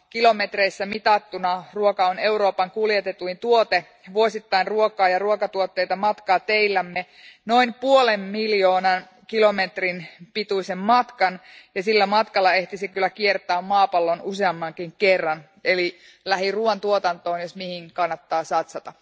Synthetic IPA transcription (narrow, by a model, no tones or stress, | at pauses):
kilo̞met̪reisːæmit̪ɑt̪ːunɑruokɑone̞uɾo̞ːpɑŋkuljet̪et̪uint̪uot̪e | ʋuosit̪ːɑinruokɑːjɑruokɑt̪uot̪ːe̞ijt̪ɑmɑt̪kɑːt̪eilːæmːe | no̞impuolemːiljoːnɑn | kilo̞met̪rinpit̪uisemmɑt̪kɑnjɑsilːæmɑt̪kɑlːɑe̞ht̪isikylːˑækiert̪ˑɑːmmɑːpɑlːonuseɑmːɑŋkiŋkerːɑn | ʔeli | læɦiruɑnt̪uot̪ɑnt̪oːnjosmihiŋkɑnːɑt̪ːɑːsɑt̪sɑt̪ɑ